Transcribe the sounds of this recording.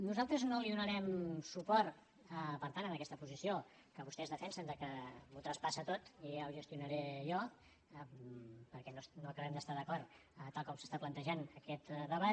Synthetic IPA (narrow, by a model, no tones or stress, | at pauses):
nuzalˠt̪ɾəznoliðunəɾɛmsupɔɾt̪ | əpəɾt̪anənəkɛst̪əpuzisijo | kəβust̪ɛzðəfɛnsənd̪əkəmut̪ɾəspasət̪ot̪iawʒəst̪iunəɾejɔ | pəɾkɛnosnokəβɛmd̪əst̪aðəkɔrət̪alˠkɔmsə̥st̪aplənt̪əʒanəkɛt̪ðəβat̪